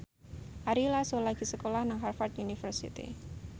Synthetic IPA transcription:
ʔaɾilasolaɡ̥i̤səkolahnaŋɦarfart̪unifərsḭt̪ḭ

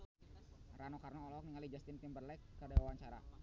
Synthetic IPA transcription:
ranokarnoːlɔɔk̚niŋalid͡ʒast̪ɪnt̪ɪmbərlɛkːədawawaŋt͡ʃaɾa̰

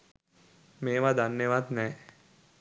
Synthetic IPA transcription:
meːʋad̪anːeʋat̪nɛː

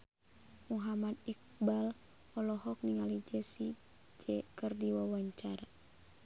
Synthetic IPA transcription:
muɦamad̪̚ik̚bal | ɔlɔɦɔk̚niŋalid͡ʒɛsi | d͡ʒɛkɨrdiwawaɲt͡ʃaɾa

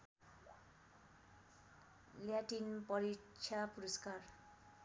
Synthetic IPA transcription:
ljaʈinpʌɾit͡ʃʰapuɾʌskar

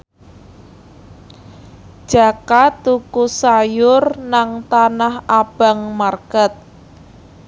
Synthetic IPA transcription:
d̥ʒ̥a̤kat̪ːukusajʊrnaŋt̪anahab̥a̤ŋmarkət̪̚

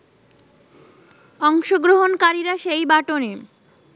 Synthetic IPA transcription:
ɔŋʃoɡɾoɦonkaɾiɾaʃejbaʈone

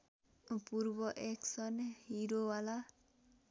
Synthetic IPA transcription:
puɾbɔʔeksɔnhiɾowala

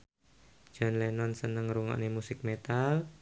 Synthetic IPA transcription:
d͡ʒ̥ɔnlɛnɔnsənəŋɾuŋa̰ʔnemusɪk̚met̪al

